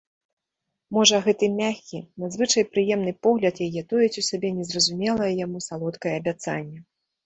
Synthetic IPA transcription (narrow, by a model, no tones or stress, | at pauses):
mɔʐɐɣɛt̪ɨmʲaxʲkʲinɐzvɨt͡ʂɐjpɾɨjɛmn̪ɨpɔɣlʲɐt̪jajɛt̪ɔjɛt͡sʲisʲabʲɛnʲɛzrɐzumʲɛlˠɐjɐjamusalˠɔt̪kɐjɛːbʲat̪sa̰nʲːɛ